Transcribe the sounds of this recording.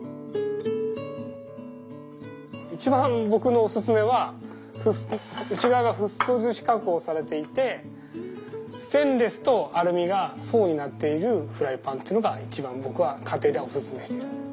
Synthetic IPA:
it͡ɕibãmbo̞kɯ̟no̞ːsɨsɨme̞βa | ɸɯɯ̟t͡ɕiɡaβaɡaɸɯ̟sod͡ʑɨɕi̥kakɯoːsaɾe̞t̪e̞it̪e̞ | sɨ̥t̪ẽ̞nd̪e̞sɨ̥t̪o̞aɾɯ̟mʲiɡaso̞ːɲ̟inat̪ːe̞iɾɯ̟ɸɯ̟ɾaipãnt̪e̞iɯnoɡait͡ɕibãmbo̞kɯ̟βakʰat̪e̞ːd̪eo̞sɨsɨme̞ɕi̥t̪eɯ

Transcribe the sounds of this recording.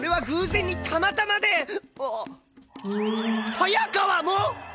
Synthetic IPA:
oɾe̞βaɡɯ̟̃ːzẽ̞ɲ̟ːit̪ʰamat̪amad̪e̞o | hajakaβamo

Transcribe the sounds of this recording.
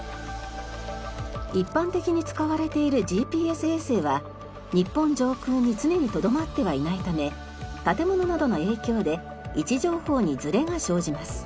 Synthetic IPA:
ipːãnt̪e̞kʲiɲ̟it͡sɨ̥kaβaɾe̞t̪e̞iɾɯ̟d͡ʑiːpʲiːesɨe̞seβa | ɲ̟ipːõ̞ɲ̟d͡ʑo̞ːkɯːɲ̟ːit͡sɨne̞ɲ̟it̪o̞d̪o̞mat̪ːe̞β̞ainait̪ame̞ | t̪at̪e̞mo̞no̞nad̪o̞no̞e̞ːkʲo̞ːd̪e̞ | it͡ɕiʑo̞ːho̞ːɲ̟id͡zɨɾe̞ŋaɕo̞ːʑimasɨ̥

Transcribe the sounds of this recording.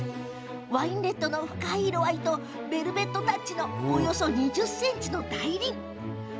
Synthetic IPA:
βaĩnɾe̞t̪ːo̞no̞ɸɯ̟̥kaiɾo̞βait̪o̞ | ɾe̞ɾɯ̟be̞t̪ːo̞t̪at͡ɕino̞ːjo̞so̞ɲ̟id͡ʑɨsːẽ̞ɲt͡ɕino̞d̪aiɾʲi

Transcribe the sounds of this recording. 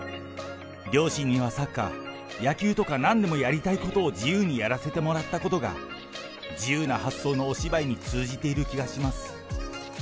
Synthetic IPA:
ɾʲo̞ːɕĩɲ̟ːiβ̞asakːa̰ | jakʲɨːt̪o̞kanãnd̪e̞mo̞jaɾʲit̪aiko̞t̪o̞ːd͡ʑijɯːɲ̟ijaɾase̞t̪e̞mo̞ɾat̪ːako̞t̪o̞ɡa̰ | d͡ʑijɯːnahasːo̞ːno̞ːɕibaiɲ̟it͡sɨːʑit̪e̞iɾɯ̟kʲiɡaɕimasɨ̥

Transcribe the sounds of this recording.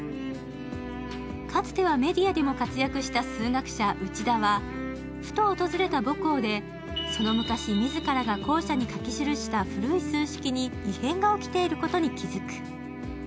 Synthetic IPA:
kat͡sɨ̥t̪e̞βame̞d̪ʲiad̪e̞mo̞kat͡sɨjakɯ̟ɕi̥t̪asɨːŋakɯ̟̥ɕaʔɯ̟t͡ɕid̪aβa | ɸɯ̟̥t̪o̞ːt̪o̞zɨɾe̞t̪aboko̞ːd̪e̞ | so̞no̞mɯ̟kaɕimʲizɨkaɾaɡako̞ːɕaɲ̟ikakʲiɕiɾɯ̟ɕi̥t̪aɸɯ̟ɾɯ̟isɨ̃ɰ̃ɕi̥kʲiɲ̟iihẽ̞ŋɡao̞kʲi̥t̪e̞iɾɯ̟ko̞t̪o̞ɲ̟ikʲizɨkɯ̥

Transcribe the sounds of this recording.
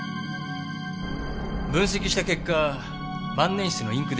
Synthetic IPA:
bɯ̃ɰ̃s̬e̞kʲiɕi̥t̪ake̞kːa | bãnːẽ̞ɕi̥t͡sɨno̞ĩŋkɯ̟d̪

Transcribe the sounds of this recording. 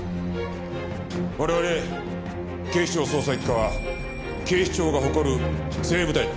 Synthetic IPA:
βaɾe̞βaɾe̞ | ke̞ːɕi̥t͡ɕo̞ːso̞ːsaikːaβa | ke̞ːɕi̥t͡ɕo̞ːɡaɦo̞ko̞ɾɯ̟ | se̞ːbɯ̟t̪ai

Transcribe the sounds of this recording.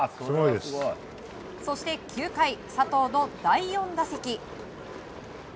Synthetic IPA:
sɡojd̪es | so̞ɕi̥t̪e̞kʲɨːkaisat̪o̞ːno̞d̪aijõ̞nd̪ase̞kʲi

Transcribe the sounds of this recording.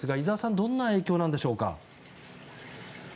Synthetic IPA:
sɨɡaizaːsãnd̪õ̞nːae̞ːkʲo̞ːnãnd̪e̞ɕo̞ːka̰

